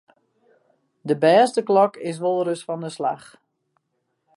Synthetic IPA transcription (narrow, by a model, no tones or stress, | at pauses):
dəbɛːstəklɔkɪs̬ʋolˠɾøsfɔndəslax